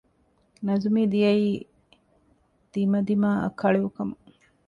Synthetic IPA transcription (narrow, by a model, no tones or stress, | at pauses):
nɐzumiːd̪ijɐiː | d̪̥imɐd̪imaːɐ̰kʰɐɭeʋukɐmɐ